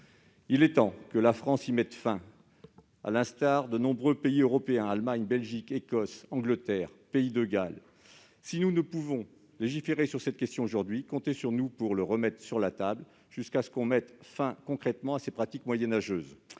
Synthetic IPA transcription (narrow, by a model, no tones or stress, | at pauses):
ilɛt̪ɑ̃kəlafχɑ̃simɛt̪fɛ̃ | a̰lɛ̃st̪aʁd̪ənɔ̃bʁøpeiøʁɔpeɛ̃almaɲbɛlʒikekɔsɑ̃ɡlət̪ɛʁpeid̪əɡal | sinunəpuvɔ̃ | leʒifeʁesyʁsɛt̪̚kʲɛst̪jɔ̃oʒuʁd̪ɥikɔ̃t̪esyʁnupuʁləʁəmɛt̪χsyʁlat̪abl | ʒ̥yskasə̥kɔ̃mɛt̪fɛ̃kɔ̃kχɛt̪mɑ̃asepχat̪ikmwajɛnaʒøːz